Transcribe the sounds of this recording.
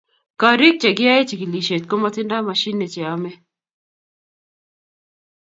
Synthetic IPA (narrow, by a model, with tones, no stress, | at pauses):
ka˨ɾi˦k̚t͡ʃɛ˨ɡɪ˦a˦e˦t͡ʃi˨ɡi˨li˨ʃe˨t̚ko˦ma˦tɪ˦nda˦ma˨ʃi˦nːe˨t͡ʃɛ˨a˦mɛ˦